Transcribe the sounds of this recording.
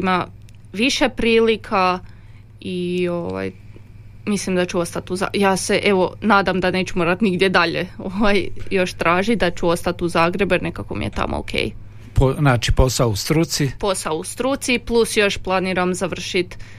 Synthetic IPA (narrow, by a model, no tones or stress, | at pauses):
ima | ʋiʃepɾiːlikʰa | io̞ʋa̰j | mislimd̪at͡ʃuo̞st̪at̪uza̰jaːse̞ʔeʋo̞naːd̪amd̪ane̞ːt͡ɕumoːɾat̪niɡd̪jed̪aʎḛoʋajjo̞ʃt̪ɾʔaːʒid̪at͡ɕuo̞st̪at̪uzaːɡɾe̞benekakomḭje̞̰t̪a̰mo̰o̰kʰḛːj | ponaːt͡ʃiposaoust̪ɾut̪sipo̞saoust̪ɾut̪siplˠusjo̞ʃplˠaniɾamzaʋr̩ʃit̪